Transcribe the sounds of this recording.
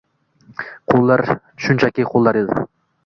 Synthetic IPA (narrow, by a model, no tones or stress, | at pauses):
qʰolˠːɑɾ | ʃʊnt͡ʃʰakʲɪqʰolˠːɑɾed̪ɪ̰